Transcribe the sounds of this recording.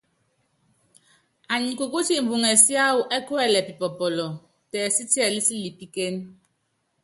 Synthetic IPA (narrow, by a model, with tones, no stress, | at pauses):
a˨ɲi˨ku˨ku˦si˦m̩˨bu˨ŋɛ˨si˦a˦wu˨ʔɛ˦ku˦ɛ˦˨lɛ˨pi˨pɔ˨pɔ˨lɔ˨ | tɛː˨si˦ti˦ɛ˨li˦si˦li˨pi˦ke˦n